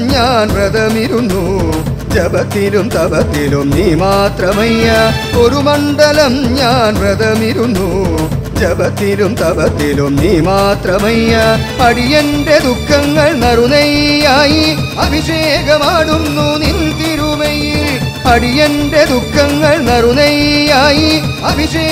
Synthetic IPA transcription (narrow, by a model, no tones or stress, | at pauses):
ɲaːnɾrɐðɐmiɾunːu | d͡ʒɐbɐt̪ːilumt̪ɐbɐt̪ːilumniːmaːt̪ɾɐmɐjɐ | oɾumɐɳɖɐlɐmɲaːnɾrɐðɐmiɾunːu | d͡ʒɐbɐt̪ːilumt̪ɐbɐt̪ːilumniːmaːt̪ɾɐmɐjɐ | ɐɽijeɳɖed̪ukʰːɐŋɡɐɭnɐɾunɐjaːji | ɐbʱiʂeːɡɐmaːɽunːunilt̪iɾumɐj | ɐɽijeɳɖed̪ukʰːɐŋɡɐɭnɐɾunɐjaːji | ɐbʱiʂeː